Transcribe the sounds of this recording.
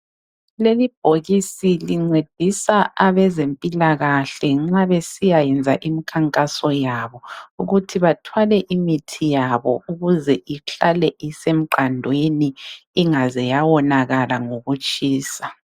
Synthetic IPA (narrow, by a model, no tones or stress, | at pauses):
lelib̥ʱoɣisiliŋ͡ǀed̥ʱisaaβɛzempʼilaɣaɬɛŋ͡ǁaβesijajɛnd͡zʱaʔimikʰaŋkʼasɔjaβɔuɣutʰiβatʰwalɛʔimitʰijaβɔuɣuzɛʔiɬalɛʔisem̩ǃandʱweniːŋazɛjawɔnaɣalaŋoɣut͡ʃʼiːsa